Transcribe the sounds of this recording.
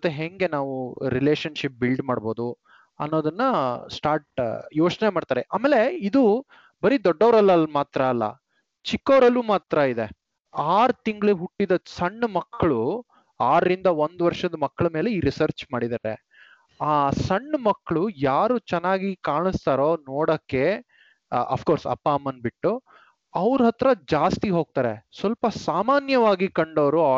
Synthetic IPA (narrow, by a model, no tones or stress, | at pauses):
t̪ːeɦeŋɡe̞naːʋuɾile̞ːʃɐnʃip̚bilɖmaːɽbo̞ːd̪u | ɐ̰nːoːd̪ɐnːɐsʈaːɾʈjo̞ːt͡ʃnemaːɽt̪aːɾeʔaːmeːle̞id̪u | bɐɾid̪ɔɖːɐʋɾɐlːɐlmaːt̪ɾɐːlːɐ̰ | t͡ʃikːɐʋɾɐlːuːmaːt̪ɾɐid̪e̞ | aːɾt̪iŋɡɭeɦuʈːid̪ɐsɐɳːmɐkːɐɭu | aːɾɾind̪ɐond̪ʋɐɾʂɐd̪ɐmɐkːɐɭɐme̞ːle̞iːɾisɐɾt͡ʃmaːɽid̪aːɾḛ | aːsɐɳːmɐkːɐɭujaːɾuːt͡ʃɛnːaːɡikaːɳist̪aːɾoːnoːɽɐkːe̞ | ɐ̰pfʰkoːɾsɐ̰pːaːmːɐnbiʈːu | ɐʋɾɦɐt̪ɾɐd͡ʒaːst̪iɦo̞ːɡ̚t̪aːɾḛsʋɐlpɐsaːmaːnjɐʋaːɡikɐɳɖoʋɾu